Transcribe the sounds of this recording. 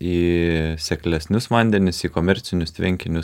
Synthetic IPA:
iːsʲɛklʲɛsʲnʲʊsʋɐnʲd̪ʲɛnʲɪsiːkomʲɛɾʲt̪sʲɪnʲʊst̪ʲʋʲɛŋʲkʲɪnʲʊs

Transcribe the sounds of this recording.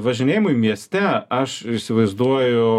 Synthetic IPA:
ʋɐʒʲɪnʲeːjɪmʊimʲiɛsʲt̪ʲɛɐʃɪsʲɪʋɐɪzd̪uɔjʊ

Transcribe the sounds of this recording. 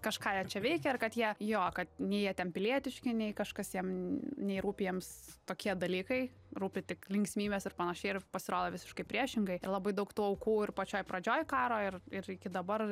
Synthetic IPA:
kɐʃkɑːjɛt͡ʃʲɛʋʲɛɪkʲɛɐrkɐt̪jiɛjoːkɐt̪nʲɛjiɛt̪ʲɛnpʲɪlʲiɛt̪ʲɪʃʲkʲɪnʲɛɪkɐʃkɐsjiɛmnʲɛɪɾuːpʲɪjɛmst̪oːkʲiɛd̪ɐlʲiːkɐɪ | ɾuːpʲɪt̪ʲɪklʲɪŋʲksʲmʲiːbʲɛsɪrpɐnɐʃʲɛɪɪrpɐsʲɪɾoːd̪oːʋʲɪsʲɪ̥ʃkɐɪpʲɾʲiɛʃʲɪŋɡɐɪɪɾlˠɐbɐɪd̪ɐʊkt̪uːɐʊkuːɪrpɐt͡ʃʲoːjpɾɐd͡ʒʲoːjkɑːɾoːɪrɪɾɪkʲɪd̪ɐbɐr

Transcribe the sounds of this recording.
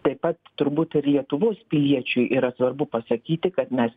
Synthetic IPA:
t̪ɐɪpɐt̪t̪ʊɾbuːt̪ɪɾlʲiɛt̪ʊʋoːspʲɪlʲiɛt͡ʃʲʊjʔiːɾɐsʋɐrbʊpɐsɐkʲiːt̪ʲɪkɐt̪mʲɛs

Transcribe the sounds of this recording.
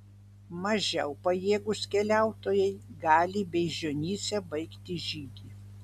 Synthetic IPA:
mɐʒʲɛʊpɐjeːɡʊskʲɛlʲæˑʊt̪oːjɛɪɡɑːlʲɪbʲɛɪʒʲonʲiːsʲɛbɐɪkt̪ʲɪʒʲiːɡʲi

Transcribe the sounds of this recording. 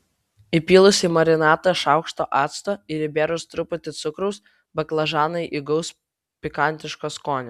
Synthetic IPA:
ɪpʲiːlˠʊsʲimɐɾʲɪnɑːt̪ɐʃɑˑʊkʃt̪oːʔɑːt̪st̪oːɪɾɪbʲeːɾʊst̪ɾʊpʊt̪ʲɪt̪sʊkɾɐʊs | bʲɐklˠɐʒɑːnɐɪʔɪɡɐʊs | pʲɪkɐnʲt̪ʲɪʃkoːskoːnʲɛ

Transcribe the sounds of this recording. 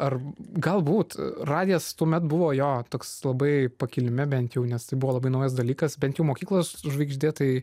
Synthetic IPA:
ɐrɡɐlˠbuːt̪rɑːd̪ʲɪjɛst̪uɔmʲɛt̪bʊʋoːjoːt̪oːkslˠɐbɐɪpɐkʲɪlʲɪmʲɪbʲɛnʲt̪ʲjɛʊnʲɛst̪ɐɪbʊʋoːlˠɐbɐɪnɐʊjɐs̬d̪ɐlʲiːkɐsbʲɛnt̪jɛʊmoːkʲiːklˠɐsʊʒʋɐɪɡʒʲd̪ʲeːt̪ɐɪ

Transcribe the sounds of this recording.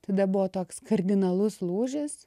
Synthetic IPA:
t̪ɐd̪ɐbʊʋoːt̪oːkskɐrʲd̪ʲɪnɐlˠʊslˠuːʒʲɪs

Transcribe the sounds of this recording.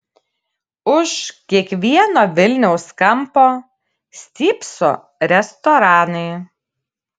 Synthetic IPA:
ʊʃkʲiɛkʋʲiɛnoːʋʲɪlʲnʲɛʊskɐmpoː | sʲt̪ʲiːpso̰ː | ɾʲɛst̪ɔːɾɑːnɐɪ

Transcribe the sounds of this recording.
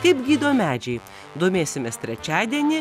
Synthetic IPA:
kɐɪpɡʲiːd̪oːmʲæːd͡ʒʲɛɪ | d̪oːmʲeːsʲɪmʲɛst̪ʲɾʲɛt͡ʃʲæːd̪ʲiɛnʲɪ

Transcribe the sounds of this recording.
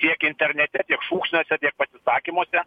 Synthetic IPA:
t̪ʲiɛkɪnʲt̪ʲɛɾʲnʲɛt̪ʲɛt̪ʲiɛkʃuːksʲnʲoːsʲɛt̪ʲiɛk̚pɐsʲɪsɑːkʲimuɔsʲɛ

